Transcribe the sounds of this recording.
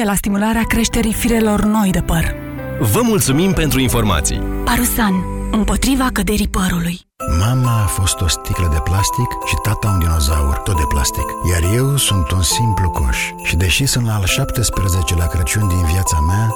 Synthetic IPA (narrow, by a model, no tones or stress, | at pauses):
elast̪imulaɾeakɾe̞ʃt̪e̞ɾifiɾe̞lo̞rno̞jd̪epər | vəmult̪sumimpe̞nt̪ɾuinfo̞rma̰t̪sḭjpaɾusanɨmpo̞t̪ɾivakəd̪e̞ɾipəɾuluj | mamaːfo̞st̪o̞st̪ikləd̪e̞plast̪ikʃit̪at̪aund̪ino̞za̰ṵrt̪o̞t̪̚d̪e̞pla̰st̪ikjarje̞wsunt̪unsimpluko̰ʃ | ʃid̪e̞ʃisunt̪laːlʃapt̪e̞spɾeze̞t͡ʃe̞lakɾət͡ʃunʲd̪inviat̪samea